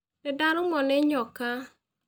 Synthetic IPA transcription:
nedaɾʊmɔneɲɔka

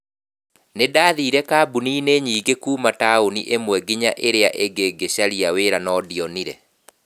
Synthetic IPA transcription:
nedaːðiːɾɛkabuniːneɲiːɡekuːmataoniʔemwɛɡiɲa̰ʔeɾeaʔeɡeɡeɕaɾiaweːɾanɔdiɔniɾɛ

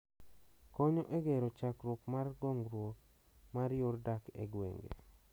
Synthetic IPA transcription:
kɔɲɔʔeɡeɾot͡ʃakɾokmarɡɔŋɡɾwo | maɾjordakḛɡwḛŋɡḛ

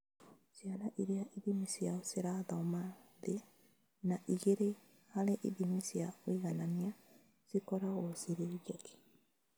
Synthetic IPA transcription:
sianaʔiɾeaʔiðimisiaoseɾaðaɔmaðe | naʔiɣeɾe | haɾeʔiðimisiawiɣanania | z̥ikɔɾaɣɔsiɾeɣake̥

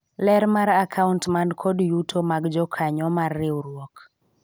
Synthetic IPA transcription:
lɛɾmaɾakʰauntmandkʰɔdjutʰomaɡd͡ʒɔkʰaɲɔmarːɪwɾwɔk

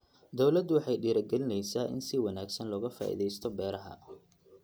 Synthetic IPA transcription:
d̪ɔwlɐd̪wɑħɑjɖiːɾɐɡɛlɪnɛjsaːʔɪ̰nsɪwɑnaːɡsɐnlɔːɣɐfa̰ːʔḭːðɛjst̪ʰɔbɛːɾɐɦɐ̰

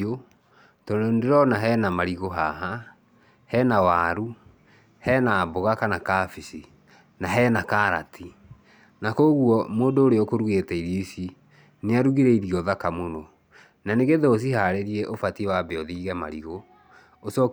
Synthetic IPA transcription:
o | tɔnondeɾɔnaɦɛnamaɾiɣoɦaɦa | hɛnawaːɾu | hɛnaːboɣakanakaːfisi | naɦɛnakaɾa̰tʰi | nakoɣuɔmoːndoːɾeokoɾuɣetɛiɾisi | neaɾuɣiɾɛiɾiɔðakamonɔ | naneɣeðɛos̬iɦaɾeɾiɛʔofatiwabeɔðiɣɛma̰ɾiɣo | osɔk

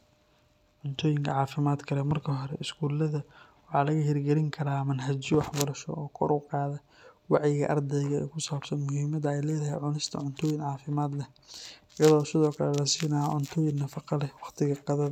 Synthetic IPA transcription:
ʕʊnt̪ʰɔːjɪŋkʰɐʕɑːfɪmaːd̪kʰɐlɛmɐrkʰɐɦɔɾɛɪskʰuːlɐðɐ | wɑħɑːlɐɣɐɦɛrɡɛlɪŋkʰɐɾaːmɐnɦɐt͡ʃɪwɑħbɐɾɐʃɔ̰ʔɔːkʰɔ̰ɾʔʊqɑːðɐ | wɑʕjɪɣɐʔɐ̰rd̪ɛjɣɐɛ̰ːkʰʊsaːb̥sɐnmʊɦiːmɐdɐɛjlɛːðɐɦɛ̰jʕʊnɪst̪ʰɐʕʊnt̪ʰɔːjɪnʕɑːfɪmaːd̪lɛ | jɐðɔːsɪðɔːkʰɐlɛlɐsiːnɐjʕʊnt̪ʰɔːjɪnnɐfɑqɑlɛwɑχt̪ʰɪɣɐqɑðɐ

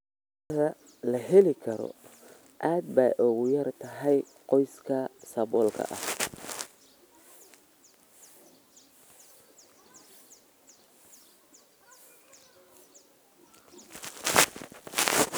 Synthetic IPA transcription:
ɐðɐ | lɐɦɛlɪkʰɐɾɔ̰ | ʔaːd̪̚bɐ̰jʔɔɣʊjɐrt̪ʰɐɦɛj | qɔjskʰɐsɐβɔːlkʰɐ̰ʔɐ̰h

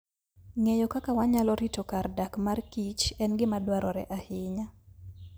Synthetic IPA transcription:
ŋejɔkakawaɲalɔɾitokardakmarkit͡ʃɛnɡɪmadwaɾʔɔɾɛ̰ʔahɪɲa

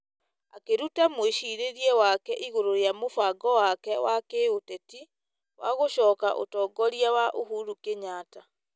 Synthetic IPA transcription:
akeɾutamweʃiːɾeɾiɛwakɛʔiɣoɾojamofaɡɔwakɛwakeotɛti | waɣoɕɔːka̰ʔo̰tɔːɡɔɾiawaʔoɦuɾukeɲaːta

